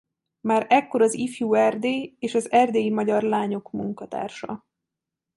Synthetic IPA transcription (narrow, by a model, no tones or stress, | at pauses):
maːɾɛkːo̞ɾɒzifjuːɛrd̪eːeːʃɒzɛrd̪eːjimɒɟɒrlaːɲo̞kmuŋkɒt̪a̰ːrʃɒ̰